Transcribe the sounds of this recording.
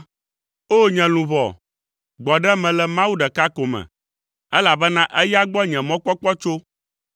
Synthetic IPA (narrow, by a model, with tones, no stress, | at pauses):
o˦ɲɛ̃˨lũ˨vɔ̰˨ | ɡ͡bɔ˨ɖɛ˦mɛ̃˨lɛ˨mã˦wu˦ɖɛ˨ka˦ko˨mɛ̰̃˨ | ɛ˦la˨bɛ˦nã˦ʔɛ˦ja˦ɡ͡bɔ˦ɲɛ̃˨mɔ̃˦k͡pɔ˦k͡pɔ˦t͡ʃo˦